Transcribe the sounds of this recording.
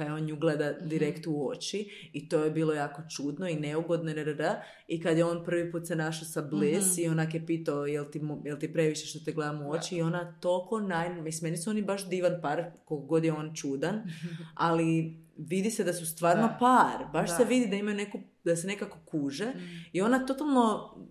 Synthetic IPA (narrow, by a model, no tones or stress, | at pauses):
kajeoːnuɡlˠed̪ad̪iɾekt̪uo̞t͡ʃi | it̪o̞ːjebiːlˠo̞jaːko̞t͡ʃuːd̪noineuɡo̞d̪noeɾɾə | ikad̪jeo̞ːnpr̩ʋipuːt̪senaʃosablesionakjepiːt̪aojelt̪imjelt̪ipɾe̞ʋiʃeʃt̪ot̪iɡle̞d̪amuo̞t͡ʃiːo̞nat̪olkonajnmismenisuo̞nibaʃd̪iːʋanpaːɾkolkoɡo̞d̪jeoːnt͡ʃuːd̪analiʋid̪ised̪asust̪ʋaːɾnopaːɾbaʃseʋid̪id̪aimajune̞ku | d̪asene̞kako̞kuːʒe̞io̞nat̪o̞t̪alˠno̞